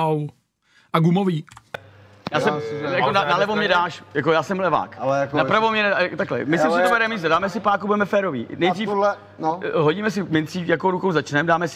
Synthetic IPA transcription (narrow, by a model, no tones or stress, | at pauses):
w | ʔaɡumoviː | jaːsɛmjakkonanalɛvomɲɛdaːʃjakojaːsɛmlɛva̰ːkknapɾavomɲɛnɛakt̪aklɛ̰mɪsɪmsɪt̪obɛɾɛmizɛdaːmɛsɪpaːkubudɛmɛfɛːɾovḭːnɛjdriːf | nɦoɟiːmɛs̬ɪmɪnt̪siːjakoɾukowzat͡ʃnɛmdaːmɛsɪ